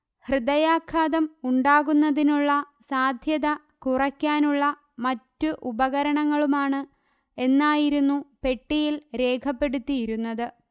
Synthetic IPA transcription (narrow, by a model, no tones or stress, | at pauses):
hrɨd̪ɐjaːkʰːaːðɐmuɳɖaːɣunːɐðinuɭːɐ | saːd̪ʱjɐðɐ | kurɐkʲːaːnuɭːɐ | mɐtːuʔubɐɣɐɾɐɳɐŋːɐɭumaːɳɨ | e̞nːaːjiɾunːupe̞ʈːijilɾe̞ːkʰɐpːe̞ɽut̪ːijiɾunːɐðɨ